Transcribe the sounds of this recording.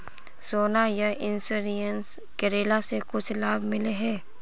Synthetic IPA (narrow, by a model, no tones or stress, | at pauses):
soːnajaʔɪnsuɾijəns | kɐɾeːlasekʊt͡ʃʰlaːbmɪleɦɛː